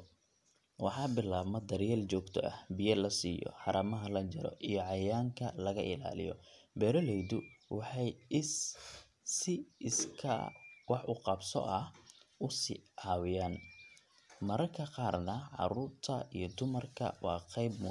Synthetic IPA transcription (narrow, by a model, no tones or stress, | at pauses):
wɑħɑːbɪlaːβmɐd̪ɐɾjɛːlt͡ʃɔːɡt̪ʰɔʔɐ̰hbijɐlɐsiːjɔ̰ħɑɾɐmɐɦɐlɐt͡ʃɐɾɔ̰ʔijɞʕɑjaːŋkʰɐlɐɣɐʔɪla̰ːlɪ̰jɔ̰bɛːɾɔlɛjðʊwɑħɑj | sɪɪskʰɐ̰wɑħʊqɑbsɔ̰ʔɐhʊsḭʕɑwɪjaːn | mɐɾɐrkʰɐqɑːrnɐʕɑ̰ɾʊːrt̪ʰɐijɞd̪ʊmɐrkʰɐ̰wɑːqɛjb̚mʊ